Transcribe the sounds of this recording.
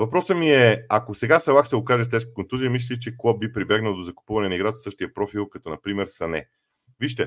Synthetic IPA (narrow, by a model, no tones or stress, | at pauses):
vɐpɾɔsəmiɛakosɛɡasɛlˠaksɛokaʒɛst̪ɛʃkə̥kont̪uzijəmislʲilʲit͡ʃɛklˠɔb̚bipɾibjaɡnəlˠd̪ozɐku̥puvɐnɛnɐiɡɾat̪səʃt̪ijɐpɾɔfilˠkɐt̪ɔnɐpɾimɛɾsɐnɛ̰ | viʃt̪ɛ